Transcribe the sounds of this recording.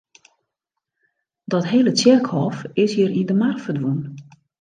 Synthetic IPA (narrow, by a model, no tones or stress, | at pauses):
dɔtɦeːlət͡sjɪrkhɔfɪshiəɾindəmarfədʋun